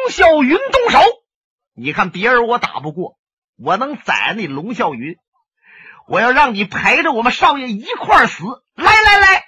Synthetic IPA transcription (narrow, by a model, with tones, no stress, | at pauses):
ŋɕjɑ˥˩ʊy˧˥nt̪ʊ˥˧ŋʂo˧˥ʊ | ni˨˩kʰa˥˩npjɛ˧˥ə˧˥wɔ˧˥t̪a̰˨˩pu˥˧kwɔ˥˩ | wɔ˨˩nɤ˧˥ŋt͡sa̰˨˩ɪ˧˥ni˨˩lʊ˧˥ŋɕjɑ˥˩ʊy˧˥n | wɔ˨˩jɑ˥˧ʊɻɑ˥˩ŋni˨˩pʰa˧˥ɪʈ͡ʂə˨wɔ˨˩mə˦nʂɑ˥˧ʊjɛ˥˩i˧˥kʰwa˥˩sɹ̩˧˥ | la˧˥ɪla˧˥ɪla˧˥ɪ